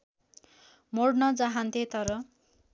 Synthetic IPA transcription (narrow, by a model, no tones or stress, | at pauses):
moɽnʌd͡zaɦant̪ʰet̪ʌɾʌ